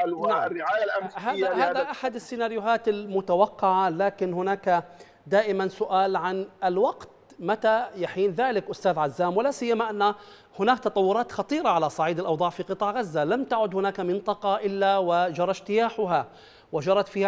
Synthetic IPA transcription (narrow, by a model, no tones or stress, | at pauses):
aːɪʕaːjalʔahaːðahaːðaʔaħad̪ɪsːɪnaːɾjʊɦaːt̪ɪlmʊt̪awɑqːɑʕalaːkɪnhʊnaːka | d̪aːʔɪmansʊʔaːlʕanɪlwɑɡt̪ | mat̪ajaħiːnðaːlɪkʔʊst̪aːðʕazːaːmwɪlaːsɪjːamaʔanːa | hʊnaːk̚t̪ɑt̪ˤɑwːʊɾˤɑːt̪xɑt̪ˤiːɾɑʕalasˤɑʕiːd̪ɪlʔɑwd̪ˤɑːʕfiqɨt̪ˤɑːʕɣazːalamt̪aʕʊd̪hʊnaːkamɪnt̪ˤɑqɑʔɪlːawɪd͡ʒɑɾˤɑʃt̪ɪjaːħʊɦa | wɪd͡ʒɑɾˤɑt̪fiːha